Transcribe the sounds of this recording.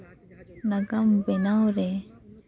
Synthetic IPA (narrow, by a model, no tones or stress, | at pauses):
naɡambɛnawɾɛ